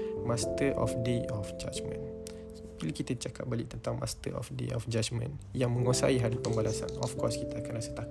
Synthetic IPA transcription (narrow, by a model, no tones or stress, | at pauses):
mãst̪əɾʔɔ̰fdeɔfd͡ʒa̰d͡ʒmə̰̃n | biləkit̪at͡ʃaka̰p̚baliʔ̚t̪ənt̪aŋmʔa̰st̪ə̰ɾɔ̰fdḛɔfd͡ʒad͡ʒmə̰̃njaŋmə̃ŋosa̰iɦadipəmbalasa̰nɔfkɔskit̪aːkalasət̪ak